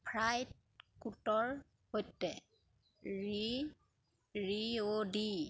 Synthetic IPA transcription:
pʰɹajt̚ | kutɔɹ | hojtːɛ | ɹi | ɹiodi

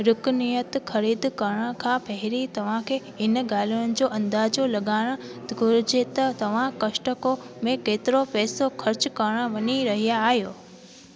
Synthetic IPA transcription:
ɾʊknijət̪xʰɐɾiːd̪kɐɾɽ̃kʰãpʰɐɦɪɾit̪ɐʋ̤ãkʰeː | ɪnɡaːl̤unɪ̆d͡ʑoːʔɐ̃nd̪aːd͡ʑolɐɠaːɽ̃ə̆t̪ɡʱʊɾɪd͡ʑet̪ɐt̪ɐʋ̤ãkɐʃʈəkomẽkeːt̪ɪɾopɛːsokʰɐɾt͡ɕkɐɾɽ̃ə̆ʋɐɲiɾɐɦijaːɦjoː

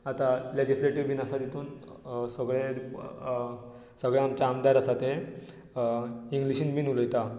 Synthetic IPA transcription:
at̪aled͡ʑisleʈiʋbinasad̪it̪uːnsəɡɭe | səɡɭjaamt͡ɕaːmd̪aɾasat̪e | iŋɡliɕiːnmiːnuləjt̪a

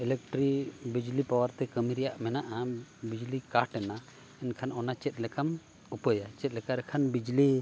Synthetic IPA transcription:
ɛlɛk̚ʈɾibid͡ʒlipawaɾt̪ɛkəmiɾɛjaʔmɛnaʔabid͡ʒlikaʈɛna | ɛnkʰanɔnat͡ʃɛt̪̚lɛkʰam | upəjat͡ʃɛt̪̚ˀlɛkaɾɛkʰanbid͡ʒli

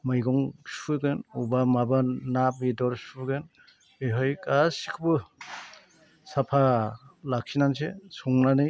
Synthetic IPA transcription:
mɯjɡɔŋsuɡɯnubamabanap̚midɔɾsuɡɯn | eɦɔjkʼasikʰbɯ | sapʰalak̚sinansesɔŋnanɯj

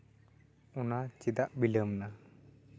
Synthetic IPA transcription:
ɔnat͡ʃid̪aʔbiləmna

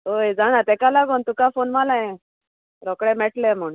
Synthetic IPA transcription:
ojd͡zaɽ̃at̪ɛkalaɡuːnt̪ukafonmalaɛ̃ | ɾɔkɽɛ̃meʈlɛ̃m̤əɽũ

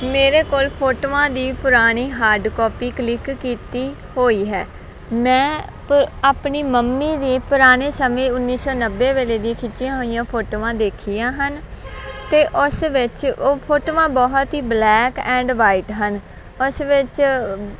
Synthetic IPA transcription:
meːɾeːkoːlpʰoːʈoːãːd̪iːpʊɾaːɽ̃iːɦaːɾɖkɔːpiːkəlɪkːiːt̪iː | hoːiːɦɛ̰ː | mɛ̃ːpaːpɳiːməmːiːneːpʊɾaːɽ̃eːsəmẽːʊnːiːsɔːnəbːeːʋeːleːd̪ĩːkʰɪt͡ʃːɪjãːɦoːɪjãːpʰoːʈoːãːd̪eːkʰijãːɦənt̪eːʔʊsʋɪt͡ʃoːpʰoːʈoːʋãːbɔːɦt̪ɦiːblɛːkɛ̃ːɳɖʋaːiːʈɦən | ʊsʋɪt͡ʃ

